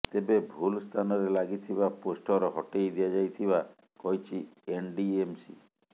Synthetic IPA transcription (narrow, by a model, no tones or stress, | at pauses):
t̪ebebʱulst̪ʰanɔɾelaɡit̪ʰibaposʈʰɔɾɔɦɔʈejd̪ijad͡ʒajt̪ʰiβa | kɔɦjt͡ʃʰienɖiemsḭ